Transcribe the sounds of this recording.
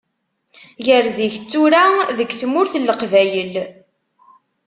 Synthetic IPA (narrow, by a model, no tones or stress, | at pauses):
jəɾziçt͡sːuɾaðəɡθmʊɾθəlːəqvæjəl